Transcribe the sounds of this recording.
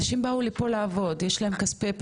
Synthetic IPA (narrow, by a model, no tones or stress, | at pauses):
aʃimbaulipo̞laːvo̞djeʃlae̞mkaspep